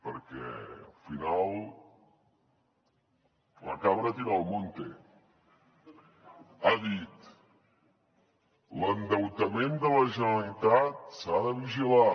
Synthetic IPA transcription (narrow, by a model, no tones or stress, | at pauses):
pəɾkɛ̰ə̰lfinalˠ | lə̰kaβɾət̪iɾalˠmont̪e | aðit̪ | lənd̪əwt̪əmẽnd̪ələʒənəlit̪at̪̚saðəβiʒila